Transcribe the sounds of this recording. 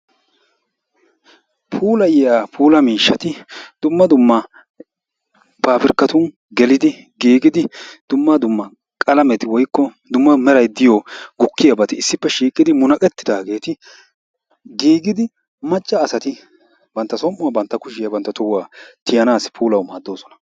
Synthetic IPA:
pʰuːlɐjɪjaːpʰuːlɐmiːʃːɐt̪ɪd̪̥ʊmːɐd̪ʊmːɐ | baːfɪɾkːɐt̪ʊn | ɡɛlɪd̪ɪ | ɡiːɡɪd̪ɪd̪̥ʊmːɐd̪ʊmːɐ | kʼɐlɐmɛt̪ɪwɔjkːɔ | d̪ʊmːɐmɛɾɐjd̪ɪjɔɡʊkːɪjɐbɐt̪ɪɪsːɪpːɛʃiːkʼɪd̪ɪmʊnɐkʼɛt̪ːɪ̥d̪aːɡe̞ːt̪ɪ | ɡiːɡɪd̪ɪ | mɐt͡ʃʼːɐːsɐt̪ɪ | bɐnt̪ːɐsɔmʔːʊwɐbɐnt̪ːɐkʊʃɪjɐbɐnt̪ːɐt̪ʊwaːt̪ɪjɐnaːspʰuːlɐwmaːd̪ːo̞ːsɔ̥nɐ̥

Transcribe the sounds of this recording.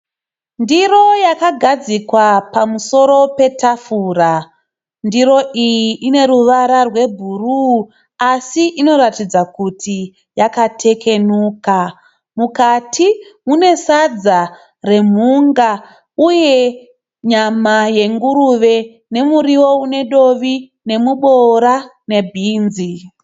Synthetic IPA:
ndiro̞jakaɡʱad͡zikwapamuso̞ɾo̞pe̞tafura | ndiɾo̞ʔijiʔːne̞ɾuʋaɾarwe̞bʱuru | asiʔino̞ɾatid͡zakutʰi | jakatʰe̞kʰe̞nuːka | mukatʰimune̞sad͡za | re̞m̤uŋɡa | uje̞ | ɲamaje̞ŋɡuɾuʋe̞ | ne̞muɾiwo̞une̞ɗo̞ʋi | ne̞muɓoɾa | ne̞bʱiːnzi

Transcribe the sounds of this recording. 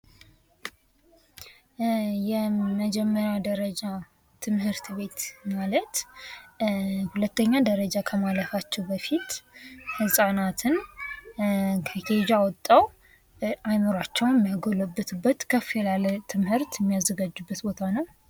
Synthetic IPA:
jɛməd͡ʒɛmːəɾjad̪əɾəd͡ʒa | t̪ʰɨmhɨɾt̪βe̞t̪malət̪ | hulət̪ːəɲːad̪əɾəd͡ʒakʰəmaləfat͡ʃːɛwbəfit̪hɨsʼanat̪ʰɨn | kʰəked͡ʒawɔt̪ʼːaw | ʔajməɾat͡ʃːɛwnjɛmːijaɡoləbːɨt̪ʰɨbːət̪kʰəfelalət̪ʰɨmhɨɾt̪jɛmːijazːəɡad͡ʒːubːət̪bo̞t̪ʰanəw

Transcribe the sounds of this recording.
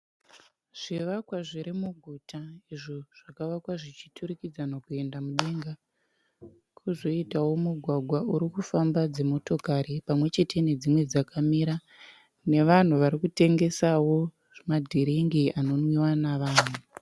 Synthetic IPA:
ʐ̥iʋakwaʐiɾimuɡʱutaiʐo̞ʐ̥akaʋakwaʐit͡ʃi̥tʰurikid͡zanokue̞ndamuɗe̞ŋɡa | kʰuzo̞itawo̞muɡʱwaɡʱwauɾikufambad͡ze̞mo̞to̞kaɾipamwe̞t͡ʃe̞te̞ne̞d͡zimwe̞d͡zakamiɾa | ne̞ʋan̤uʋaɾikute̞ŋɡe̞sawo | madʱiɾiŋɡiano̞nwiwanaʋaːn̤u

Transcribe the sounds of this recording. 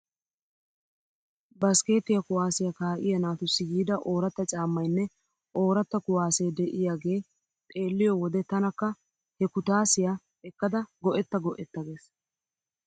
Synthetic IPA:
bɐske̞ːt̪ːɪjɐkʊwaːsɪjɐkaːʔɪ̰jɐnaːt̪ʊsːɪɡiːd̪ɐʔo̞ːɾɐt̪ːɐt͡ʃʼaːmːɐjnːɛ | ʔo̞ːɾɐt̪ːɐkʊwaːse̞ːd̪ɛʔɪjaːɡe̞ː | t̪ʼeːlːɪjɔwɔd̪ɛt̪ɐnɐkːɐ | hɛkʊt̪aːsɪja | ɛkːɐd̪ɐɡɔʔɛt̪ːɐɡɔʔɛt̪ːɐɡe̞ːs

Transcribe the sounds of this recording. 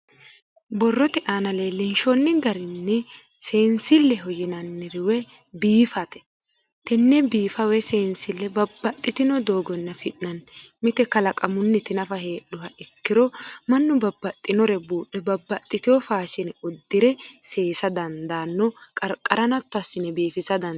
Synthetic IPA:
bɔrːɔt̪ɪʔaːnɐleːlːɪnʃɔnːɪɡɐɾɪnːɛ | seːnsɪlːɛɦɔjɪnɐnːɪɾɪwɛ | biːfɐt̪ɛ̥ | t̪ɛnːɛbiːfɐwɛseːnsɪlːɛbɐbːɐt̪ʼːɪt̪ɪnɔd̪o̞ːɡɔnːɐfɪʔnɐnmɪt̪ɛkɐlɐkʼɐmʊnːɛt̪ɪnɐfɐhe̞ːɗʊhɐʔɪkːɪɾɔmɐnːʊbɐbːɐt̪ʼːɪnɔɾɛbuːɗɛbɐbːɐt̪ʼːɪt̪ɪjɔfaːʃɪnɔd̪ːɪɾɛse̞ːsɐd̪ɐnd̪aːnːɔkʼɐɾkʼɐɾɐnɐt̪ːɐsːɪnɛbiːfɪsɐd̪ɐ

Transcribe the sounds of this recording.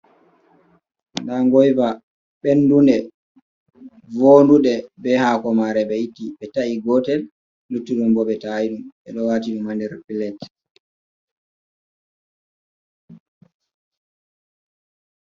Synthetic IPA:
ndaŋɡɔjva | ɓɛnːdundɛ | voːnduɗɛbɛhakɔmaɾɛɓɛjitːiɓɛtaiɡɔtɛl | lutːuɗumbɔɓɛtajiɗumɓɛɗɔwaːtiɗumandɛɾpilɛt

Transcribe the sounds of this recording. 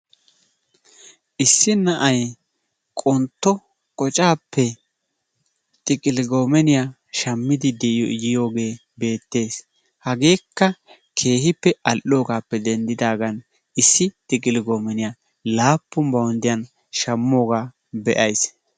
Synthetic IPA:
ʔɪsːɪnɐʔɐj | kʼɔnt̪ːɔ | kʼɔt͡ʃʼaːpʰːɛ | t̪ʼɪkʼɪlɪɡo̞ːmɛnɪja | ʃɐmːɪd̪ɪd̪ɛɪjɔ̰ʔɪjɪjo̞ːɡe̞ː | be̞ːt̪ːe̞ːs | hɐɡe̞ːkːɐ | kʰe̞ːɦɪpːɛʔɐlʔo̞ːɡaːpːɛd̪ɛnd̪ɪd̪aːɡɐn | ɪsːɪt̪ʼɪkʼɪlɪɡo̞ːmɛnɪja | laːpːʊmbɐwɔnd̪ɪjɐn | ʃɐmːo̞ːɡaː | bɛʔɐjs

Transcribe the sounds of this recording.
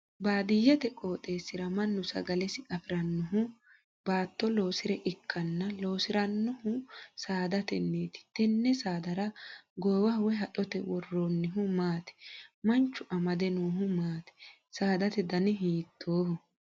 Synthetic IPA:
baːd̪ɪjːɛt̪ɛkʼo̞ːt̪ʼe̞ːsːɪɾɐmɐnːʊsɐ̰ɡɐlɛsɪʔɐfɪɾɐnːɔɦʊ | baːt̪ːɔlo̞ːsɪɾɛʔɪkʰːɐnːɐloːsɪɾɐnːɔhʊsaːd̪ɐt̪ɛnːeːt̪ɪ̥t̪ɛnːɛsaːd̪ɐɾɐɡɔjwɐhʊwɛɦɐᶑɔt̪ɛwɔrːoːnːɪɦʊmaːt̪ɛ̥mɐnt͡ʃːʊʔɐmɐd̪ɛnoːɦʊmaːt̪ɛ̥ | saːd̪ɐt̪ɛd̪ɐnɪɦiːt̪ʰːoːhʊ

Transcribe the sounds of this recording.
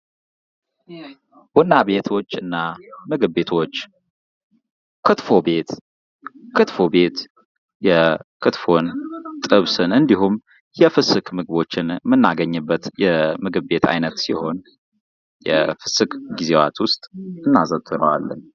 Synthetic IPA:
w̥ɔnːabe̞t̪ʰo̞t͡ʃːɨnːamɨɡɨβːe̞t̪ʰo̞t͡ʃː | kʰɨt̪fo̞be̞t̪ | kʰɨt̪fo̞be̞t̪ | jɛkʰɨt̪fo̞nt̪ʼɨβsɨnɨnd̪iɦum | jɛfɨsɨkʰmɨɡɨβo̞t͡ʃːɪnmɨnːaɡəɲːɨbːət̪jɛmɨɡɨβːe̞t̪ʰa̰jnət̪siho̞n | jɛfɨsɨkɡize̞wa̰t̪ʰwʊst̪ʼɨnːazət̪ʰʼːɨɾə̰wa̰lːə̰n

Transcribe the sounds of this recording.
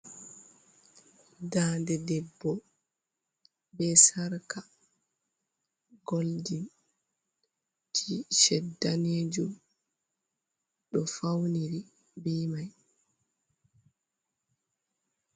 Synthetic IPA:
daːndɛdɛbːɔ | bɛsaɾka | ɡoldin | tʰiʃɛdːaneːd͡ʒum | ɗɔfawniɾi | biːmaj

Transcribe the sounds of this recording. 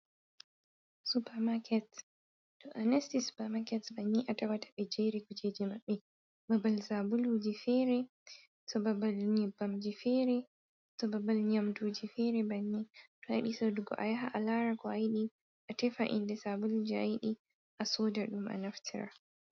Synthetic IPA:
supaɾmakʰɛt | tɔʔanɛstisu̥pamakɛtbaɲːiʔatawatʰḁɓɛd͡ʒɛɾikud͡ʒed͡ʒimaɓːɛ | babalsabuld͡ʒifɛɾɛ | tɔbabalɲɛbamd͡ʒifɛɾɛ | tɔbabalɲamtud͡ʒifɛɾɛbaɲːitɔajiɗisɔduɡɔ̰ʔajaɦaʔalaɾakɔajɗi | ʔatɛfaʔḭndɛsabulud͡ʒiajɗi | ʔasɔdaɗuma̰naftʰiɾa̰

